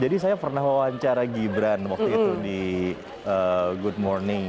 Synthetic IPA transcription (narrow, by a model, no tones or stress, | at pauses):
d͡ʒadisajapərnaɦwawaɲt͡ʃaɾaɡibɾanwakt̪uit̪udi | əɡud̚mɔrnɪŋ